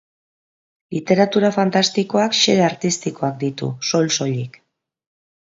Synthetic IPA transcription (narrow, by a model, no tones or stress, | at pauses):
lit̪e̞ɾat̪uɾafant̪ast̪iko̞akʃeðeaɾt̪ist̪iko̞ak̚d̪it̪ṵso̞lso̞ʎik